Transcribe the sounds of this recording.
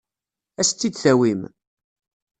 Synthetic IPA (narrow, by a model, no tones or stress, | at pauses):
æst̪ːid̪θæwim